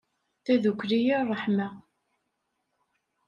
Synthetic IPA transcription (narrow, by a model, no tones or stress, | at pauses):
θæðukʷːɾijirˤːəħma